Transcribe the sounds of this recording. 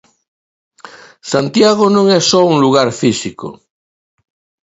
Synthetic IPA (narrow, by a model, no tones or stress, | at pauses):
sant̪jaɣonõŋɛsɔuŋluɣaɾfisiko̰